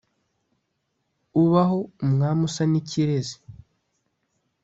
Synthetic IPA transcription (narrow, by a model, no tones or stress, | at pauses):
uβaɦo̞umŋaːmusaniciɾezi̥